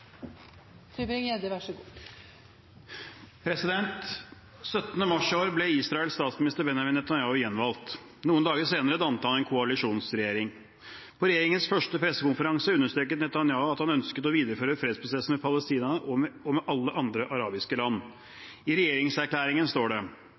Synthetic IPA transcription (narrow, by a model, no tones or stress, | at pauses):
bɪŋeːd̪əʋæʂɡ | pʰɾɛsɪd̪ɛnt̪ | sœt̪ːənəmɑʂɪoːɾblɛiːsɾɑːɛlst̪ɑːt̪smɪnɪst̪əɾbɛnjɑʋɪnːɛt̪ɑnjɑːʊjɛnːʋɑlt̪ | nuːənd̪ɑːɡəseːnəɾəd̪ɑnt̪əhɑnɛːnkʰʊɑlɪʂuːnsɾɛjeːɾɪŋ | pʰɔɾɛjeːɾɪŋənsfœʂʈəpʰɾɛsːəkʊnfəɾɑŋsəʉnːəʂt̪ɾøːk̬ət̪nɛt̪ɑnjɑːʊɑt̪hɑnœnskət̪ɔʋiːd̪əɾəføːɾəfɾeːd̪spɾʊsɛsn̩mɛpʰɑləst̪iːnɑnəʔɔɔmɛʔɑlːəʔɑnd̪ɾəʔɑɾɑːbɪskəlɑnː | ɪɾɛjeːɾɪŋsæɾkʰlæːɾɪŋənst̪oːɖɛ